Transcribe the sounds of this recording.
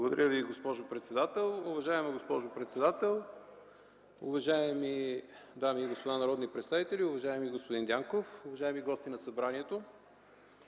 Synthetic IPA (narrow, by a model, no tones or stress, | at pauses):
blˠɡod̪ɐɾʲəviɡospɔʒopɾɛt̪sɛd̪at̪ɛlˠʊvɐʒaɛmiɡospɔʒopɾɛt̪sɛd̪at̪ɛlˠ | ʊ̰vɐʒajɛmi | d̪amiɡospod̪anɐɾɔd̪nipɾɛt̪st̪avit̪ɛlʲiʊvɐʒajɛmiɡospod̪ind̪ʲaŋkofʊvɐʒaɛmiɡɔst̪inɐsɐbɾaniɛt̪o